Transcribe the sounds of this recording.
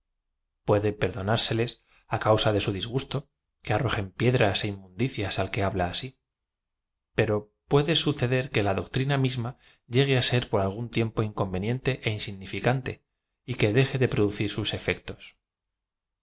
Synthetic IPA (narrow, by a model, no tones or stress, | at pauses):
pwe̞ðe̞pe̞ɾðo̞naɾse̞le̞s | akawsaðe̞suðizɣ̞ust̪o̞ | ke̞aro̞xe̞mpje̞ðɾase̞imːũnd̪iθjasalke̞aβlaːsi | pe̞ɾo̞ | pwe̞ðe̞suθe̞ðe̞ɾke̞laðo̞kt̪ɾinamizma | ʎe̞ɣ̞e̞ase̞ɾpo̞ɾalɣ̞unt̪je̞mpo̞iŋko̞mbe̞nje̞nt̪e̞ʔeinsiɣnifikant̪e̞ | ike̞ðe̞xe̞ðe̞pɾo̞ðuθiɾsuse̞fe̞kt̪o̞̥s